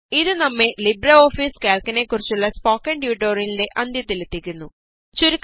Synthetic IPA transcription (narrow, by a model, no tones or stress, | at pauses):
iðinɐmːelibɾɐoːfiːskeːlkɐneːkuɾit͡ɕuɭːɐspoːkɐɳɖjuːʈoːɾinleʔɐnd̪it̪ilit̪ikːunːu | t͡ʃuɾik